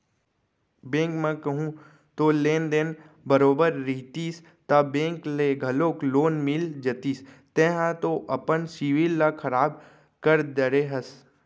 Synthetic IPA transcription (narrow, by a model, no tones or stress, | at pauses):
bẽːŋkmẽkɐɦũ | t̪olẽːnd̪en | bəɾoːbəɾːɪɦt̪iːs | t̪abẽːŋkleɡʱɐloːkloːnmɪld͡ʒət̪is | t̪ẽɦãt̪oʔɐpənsiːʋilːakʰɐɾaːb̚ | kəɾd̪əɾeɦɐs